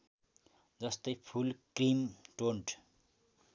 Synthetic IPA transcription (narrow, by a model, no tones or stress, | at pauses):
d͡zʌst̪ʌjpʰulkrimʈoɳʈ